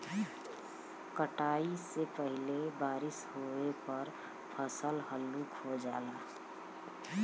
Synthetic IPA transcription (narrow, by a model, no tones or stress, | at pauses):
kəʈaːisepəɦɪlebaːɾɪshoepəɾ | pʰəsəlɦəlːukɦod͡ʒaːlaː